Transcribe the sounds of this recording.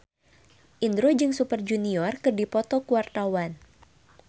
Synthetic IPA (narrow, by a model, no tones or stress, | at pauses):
ʔind̪ɾod͡ʒɨŋsupərd͡ʒuniɔrkɨrdipɔt̪ɔkuwart̪awan